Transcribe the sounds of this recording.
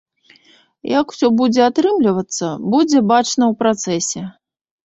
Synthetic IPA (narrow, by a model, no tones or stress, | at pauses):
jaku̥sʲɔbud͡zʲɛat̪ɾɨmlʲivɐt̪sːɐbud͡zʲɛbat͡ʂnɐwpɾat̪sɛsʲɛ